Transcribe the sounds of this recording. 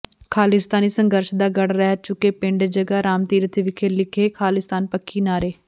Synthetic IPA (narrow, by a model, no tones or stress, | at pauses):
kʰaːlɪst̪aːniːsəŋɡəɾʃd̪aːɡəɽɾɛːt͡ʃʊkeːpɪ̃ɳɖed͡ʒəɡaːɾaːmt̪iːɾət̪ʰeʋɪkʰeːlɪkʰeːkʰaːlɪst̪aːnpəkʰːiːnaːɾeː